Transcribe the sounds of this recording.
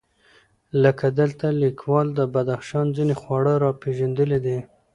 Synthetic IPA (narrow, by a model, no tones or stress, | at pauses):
ləkad̪əlt̪alikʰwɑld̪əbad̪axʃɑnzinexwɑɽəɾɑpeʒand̪əled̪e